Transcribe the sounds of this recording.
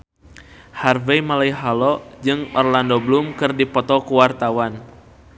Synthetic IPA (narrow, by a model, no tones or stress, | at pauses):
harvejmalaiɦalɔd͡ʒɨŋɔ̰rlandɔblumkɨrdipɔt̪ɔkuwart̪awan